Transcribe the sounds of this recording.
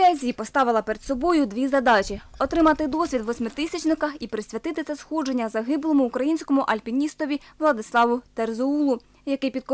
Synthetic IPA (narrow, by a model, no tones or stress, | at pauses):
ɛzʲiipɔst̪ɑʋɪlˠɐpeɾed̪sɔbɔjʊd̪ʲʋʲizɐd̪ɑt͡ʃʲiɔt̪ɾɪmɑt̪ɪd̪ɔsʲʋʲid̪ʋɔsʲmɪt̪ɪsʲɐt͡ʃnɪkɐxipɾɪsʲʋʲɐt̪ɪt̪ɪt̪sʲɛsxɔd͡ʒe̞nʲːɐzɐɦɪblˠɔmʊːkɾɐjinʲsʲkɔmʊʔɐlʲpʲinʲist̪ɔʋʲiʋlˠɐd̪ɪslˠɑʋʊt̪erzɔulˠʊ | jɐkɪjpʲid̪̚k